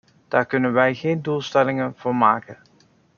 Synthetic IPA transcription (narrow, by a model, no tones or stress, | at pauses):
d̥aːɹkɵnənʋɛjχeːnduːlˠstɛlɪŋənv̥ʊːɹmaːkə